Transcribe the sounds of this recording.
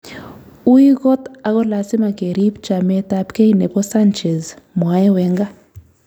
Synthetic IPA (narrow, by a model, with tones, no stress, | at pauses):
u˦ji˦kɔ˦t̪a˨ɣɔ˦la˨si˦ma˨ke˨ɾi˦pt͡ʃa˨mɛ˦tapke˦inɛ˨pɔ˦sa˦nt͡ʃɛ˨zmwa˨˦ɛ˦wɛ˨˦ŋɡa˦